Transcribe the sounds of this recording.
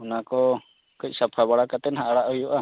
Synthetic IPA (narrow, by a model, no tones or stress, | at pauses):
ɔnakɔ | kic̚ˀsapʰabaɽakat̪ɛnɦaʔɽaʔɦujɔʔa